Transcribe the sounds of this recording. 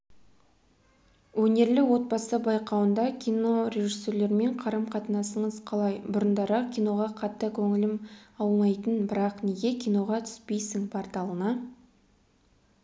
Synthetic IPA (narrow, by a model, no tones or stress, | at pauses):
wɵne̞ɾlɪwo̞t̪̚bɑsəbɑjqɑwənd̪ɑkʲʰijno̞ɾe̞ʒisːe̞ɾle̞ɾme̞ɴqʰɑɾəmqʰɑt̪ənɑsəɴəzqʰɑlˠɑjbʊɾənd̪ɑɾəqkʲijno̞ʁɑqʰɑt̪ːəkʲʰɵŋɪlɪmɑlˠnɑjt̪ənbɪɾɑqneɡʲe̞kʲʰijno̞ʁɑt̪ʰʏ̥spe̞jsɪŋpʰoɾt̪ɑlˠənə